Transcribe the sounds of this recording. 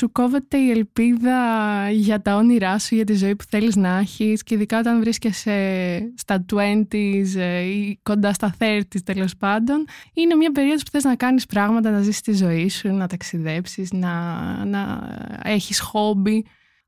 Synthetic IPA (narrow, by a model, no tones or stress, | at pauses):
suko̞ve̞t̪e̞ie̞lpiðɐʝɐt̪ɐoniɾɐsuʝɐt̪̬izo̞ipu̥θe̞liznɐɐçisceiðikɐo̞t̪ɐnvɾiscesest̪ɐt̪ue̞nt̪isiko̞nd̪ɐst̪ɐθe̞ɾt̪ist̪e̞lo̞spɐnd̪o̞nine̞mɲɐp̬e̞ɾioðopu̥θe̞znɐkɐnispɾɐɣmɐt̪̬ɐnɐzist̪izo̞isunɐt̪ɐksiðe̞psiznɐnɐ̰e̞çisxo̞bi